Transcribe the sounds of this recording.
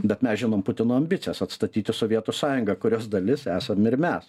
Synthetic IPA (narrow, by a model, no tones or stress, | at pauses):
bʲɛt̪mʲɛsʒʲɪnoːmpʊt̪ʲɪnoːɐmʲbʲɪt̪sʲɪjɛsɐt̪st̪ɐt̪ʲiːt̪ʲɪsoːʋʲiɛt̪osɑːjʊŋɡɐkʊɾʲoːsd̪ɐlʲɪsæːsɐmɪɾmʲɛs